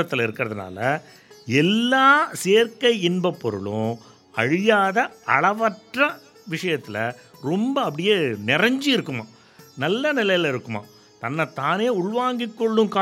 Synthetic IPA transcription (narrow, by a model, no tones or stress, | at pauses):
ɐt̪ːɪlɐɪɾɯkːɪɾɐðɯna̰ːlɐ | ɛlːaːseːɾkɐɪɪnbɐpːɔɾɯ̰ɭʊ̰̃ | ɐɻɪjaːðɐɐɭɐʋɐʈrɐ | ʋɪʂɐjɐt̪ːɪlɐ̰ɾɔmbɐɐpːɽɪjeːnɪɾɐɲd͡ʒiɪɾɯkːɯma̰ː | nɐlːɐnɪlɐjɪlɐɪɾɯkːɯma̰ː | t̪ɐnːɐt̪aːneːʊɭʋaːŋɡɪkːɔɭːɯ̃kaː